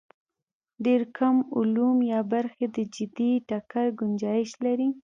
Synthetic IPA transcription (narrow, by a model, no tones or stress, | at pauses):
ɖeɾkʰamʊlumjɑbaɾxed̪əd͡ʒɪd̪iʈakaɾɡʊnd͡ʒɑjɪʃlaɾi